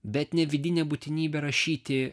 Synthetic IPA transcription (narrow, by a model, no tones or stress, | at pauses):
bʲɛt̪nʲɛʋʲɪd̪ʲɪnʲɛbʊt̪ʲɪnʲiːbʲɛɾɐʃʲiːt̪ʲɪ